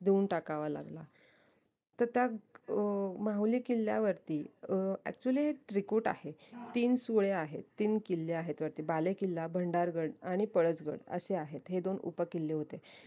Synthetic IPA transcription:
d̪eunʈakaʋala̰ɡla | t̪əɾt̪ja | maɦulikilːja̰ʋəɾt̪iːæ̰k̚t͡ɕuliːɦeʈ̪ɾikuʈa̰het̪iːnsuɭeaɦet̪ːiːnkilːeaɦet̪ʋəɾt̪iːbalekilːabʱəɳɖaɾɡəɽaɽ̃ipəɭət͡sɡə̰ɽə̰seaɦet̪ɦed̪onṵpəkilːeɦot̪e

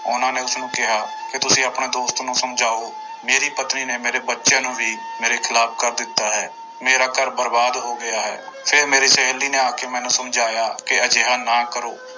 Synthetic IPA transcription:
ʊnãːneːʊsnũːkɪɦaːkɪt̪ʊsĩːəpɳeːd̪oːst̪ːnũːsəmd͡ʒʱaːoː | meːɾiːpət̪niːneːmeːɾeːbətːʃjãːnũːʋiːmeːɾeːkʰɪlaːp̚ʰkəɾd̪ɪt̪ːaːɦɛː | meːɾaːkəɾbəɾbaːd̪ɦoːɡɪjaːɦɛ̰ː | pʰɪɾmeːɾiːsɛɦɛlːiːneːaːkeːmɛ̃ːnũːsəmd͡ʒaːjaːkɪəd͡ʒeːɦaːnãːkəɾoː

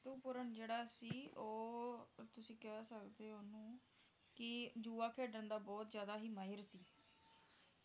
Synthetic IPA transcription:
t̪uːpʊɾənd͡ʒeːɽaːsiːoːt̪ʊsĩːkɛsəkd̪eːoːnũː | kɪd͡ʒuːaːkʰeːɖənd̪aːbɔːt̪zjaːd̪aːɦiːmaːɪɾsiː

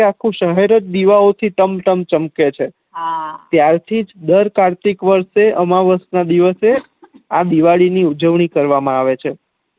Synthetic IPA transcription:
akʰũʃəɦeɾət̪̚d̪iʋaot̪ʰiʈəmʈəmt͡ʃəmket͡ʃʰe | t̪jaɾt̪ʰid͡ʒd̪əɾkaɾt̪ikʋəɾʃeʔəmaʋəsnad̪iʋəse | ad̪iʋaɭiniud͡ʒəʋɳikəɾʋamãaʋet͡ʃʰe

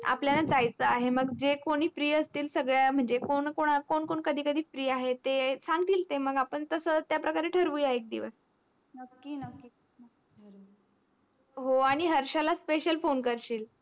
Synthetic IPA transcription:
a̰pljanad͡zajt͡səaɦeməɡd͡zekoɽ̃iːfɾiːəst̪iːlsəɡɭjam̤əɳd͡zekoɳkoɳakoɳkoɳkəd̪ʱiːkəd̪ʱiːfɾiːaɦet̪esãŋɡ̚t̪iːlt̪eməɡapəɳt̪əsət̪japɾəkaɾeʈʰəɾʋujaɦeek̚d̪ḭʋəs | nəkːinəkːi | ɾ | ɦoaɽ̃iɦəɾɕalaspeɕəlfonkəɾɕiːl

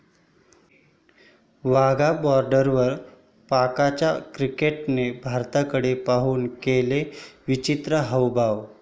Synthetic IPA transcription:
ʋaɡabɔɾɖəɾʋəɾ | pakat͡ɕjakɾikeʈnebʱaɾt̪akəɽepaɦuːnkeleʋit͡ɕit̪ɾəɦəwbʱaʋ

